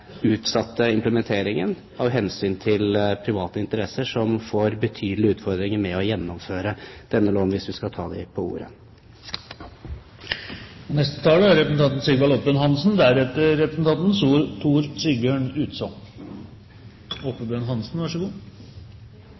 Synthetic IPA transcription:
ʉːt̪sɑt̪ːəɪmpləmɛnt̪ʰeːɾɪŋən | ɑɦɛnsyːnt̪ʰɪlpʰɾɪʋɑːt̪əɪnt̪əɾɛsəʂɔmfoːɾbət̪ʰyːd̪lɪʉːt̪fɔɾd̪ɾɪŋəɾmɛɔjɛnːɔmføːɾəd̪̥ɛnːəloːnʋɪsʋɪskɑt̪ʰɑːd̪ɛpʰɔṵːɾə̰ | ɔnɛst̪ə̥t̪ʰɑːləæɾɛpɾəsnɑnt̪n̩sɪɡʋɑlɔp̪̚bənɦɑnsnd̪æɾɛt̪ːəɾɛpɾəsnt̪ɑnt̪n̩suːɾt̪ʰuːɾsɪɡøːɳʉːt̪sɔ | ɔpəbønɦɑnsn̩ʋɑʂəɡuː

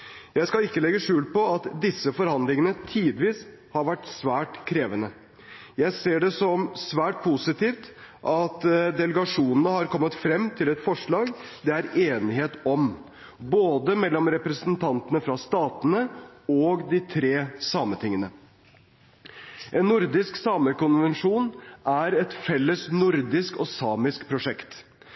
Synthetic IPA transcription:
jæɪskɑlɪkːəlɛɡəʂʉːlpɔɑt̪d̪ɪsːəfɔɾhɑnd̪lɪŋənət̪ʰiːd̪ʋiːs | hɑɾʋæʈsʋæːʈkʰɾeːʋənə | jæɪseːɖɛsɔmsʋæːʈ̚pʰusɪt̪iːft̪ʔɑt̪d̪ɛləɡɑʂuːnənəhɑɾkʰɔmːət̪fɾɛmːt̪ʰɪlɛt̪fɔʂɭɑːɡd̪ɛæɾeːnɪheːt̪ɔm | boːd̪əmɛlːɔmɾɛpɾəsn̩t̪ʰɑnt̪ənəfɾɑst̪ɑːt̪ənəɔːɡd̪ɪt̪ʰɾeːsɑːmət̪ʰɪŋːənə | ʔɛnːʊɾd̪ɪsksɑːməɾkʊnʋɛnʂuːnʔæɾɛt̪fɛlːəsnʊɾd̪ɪskɔsɑːmɪskpʰɾʊʂɛkt̪

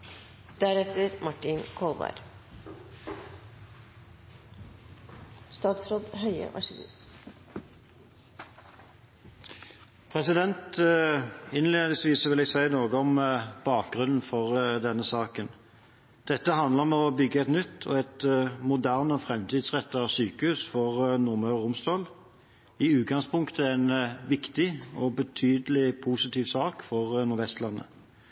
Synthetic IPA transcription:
d̪̥æɾɛt̪əɾmɑʈɪnkʰɔlbɑ̰ɾ | st̪ɑːt̪sɾoːd̪hœʏə̰ʔɑ̰ʂḭːə | pʰʁɛsɪd̪ɛnt̪əɪnleːd̪əsʋiːsɔʋɪlæsæɪnoːɡəɔmb̥ɑːk̚ɡʁʉnn̩fɔʁd̪ɛnːəsɑːkən | d̪̥ɛt̪ːəɦɑnd̪ləʁmɛɔbʏɡːəɛt̪nʏt̪ːʰɔ̰ɛt̪mʊd̪æʁnəɔfʁɛmt̪ʰiːd̪sʁɛt̪ːəɔsyːkəhʉːsfɔʁnʊʁmøːʁʊmst̪oːl | ɪʉːt̪̚ɡɑŋspʰʊŋkt̪əæɪnʋɪkt̪ɪɔbət̪ʰyːd̪əlɪpʰusɪt̪iːʋsɑːkfɔʁnʊɾʋɛst̪lɑnːə̰

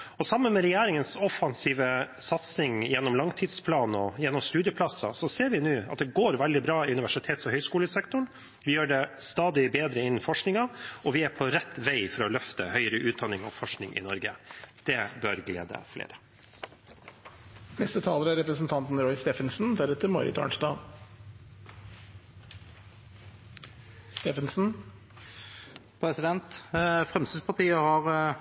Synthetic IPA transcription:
ɔsɑmːənmɛɾɛjæːɾɪŋənsɔfɑnsiːʋəsɑt̪snɪŋjɛnːɔmlɑŋt̪ʰɪd̪spʰlɑːnɔjɛnːɔmst̪ʉːd̪jəpʰlɑsɑsɔseːɾʋɪnʉːɑ̰t̪̚d̪ɛɡoːɾʋæld̪ɪbɾɑːɪʉnɪʋæʂɪt̪ʰeːt̪sɔhœʏskuːləsɛkt̪ʊɳ | ʋɪjøːɖɛst̪ɑːd̪ɪbeːd̪ɾəɪnənfɔʂknɪŋɑɔʋɪæɾpʰɔɾɛt̪ːʋæɪfɔɾɔlœft̪ə̰hœʏəɾəʔʉːt̪̚d̪ɑnːɪŋɔ̰fɔʂknɪŋʔɪ̰nɔɾɡəd̪̥ɛbøɾɡlḛːd̪ə̰flḛːɾə̥ | nɛst̪ət̪ʰɑːləɾæɾɛpɾəsn̩t̪ʰɑnt̪n̩ɾɔʏst̪ɛfənsn̩d̪æɾɛt̪ːəɾmɔ̰ɾɪ̰t̪ʰɑ̰ːɳʂd̪ɑː | st̪ɛfənsn̩ | pʰɾɛsɪd̪ɛnt̪fɾɛmst̪əspʰɑt̪iːəhɑɾ

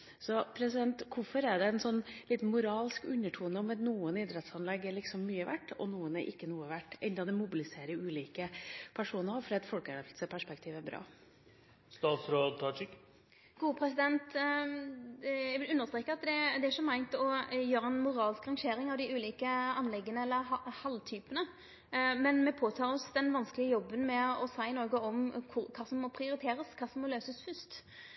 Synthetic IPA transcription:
sɔpʰɾɛsɪd̪ɛnt̪kʰʊfɔɾɛɖɛɛnsɔnːlɪt̪nmʊɾɑːlskʉnːəʈʰuːənəɔmɛt̪nuːənɪd̪ɾɛt̪sɑnlɛɡːɛlɪksɔmːyːəʋæ̰ʈːɔ̰nuːənɛ̰ɾʔɪkːənuːəʋæʈːʔɛnd̪ɑd̪ɛmʊbɪlɪseːɾəɾʉːliːkəpʰæʂuːnəfɔɾɑɛt̪fɔlkəlɛʋlsəpʰæʂpɛkt̪ʰiːʋæɾbɾɑ̰ː | st̪ɑːt̪sɾoːd̪̚t̪ʰɑt͡ʃɪk | ɡ̥uːəpʰɾɛsɪd̪ɛnt̪ | jæʋɪlʉnːəʁst̪ɾeːkːəɾɑt̪d̪ɛd̪ɛæɾʂɔmæɪnt̪ɔjøːɾəɛnmʊɾɑːlskɾɑŋʃeːɾɪŋɑʋd̪ɪʉːliːkəɑnlɛɡːənəɛlːəɾhɑlt̪ʰyːpənə | mɛnmɛpʰoːt̪ʰɑːɾɔsd̪ɛnʋɑnskəlɪəjɔbːənmɛɔsæɪɪnɔɾɡəɔmkʰʊɾkʰɑːsɔmːɔpʰɾɪʊɾɪt̪ʰeːɾəskʰɑːsɔmːɔløːsəsfʏst̪

